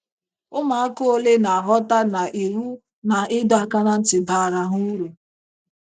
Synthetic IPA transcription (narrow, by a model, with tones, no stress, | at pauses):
ʊ˦ma˨a˦ko˦o˦le˦na˨a˨ɦɔ˦ta˦na˨ʔe˨ɾu˦ | na˨ɪ˦dɔ˦a˦ka˦na˦n̩˦tɪ˨ba˨ɾa˦ɦu˦ɾu˨